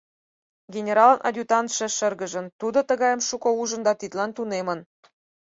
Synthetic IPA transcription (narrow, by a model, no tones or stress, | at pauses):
ɡʲenʲeɾɑlə̆nʔɑ̰dʲut̪ɑnt̪ʃə̆ʃə̆rɣə̆ʒə̆nt̪ud̪ŏt̪ə̆ɣɑjə̆mʃukŏuʒə̆nd̪ɑt̪it̪lɑnt̪unemə̆n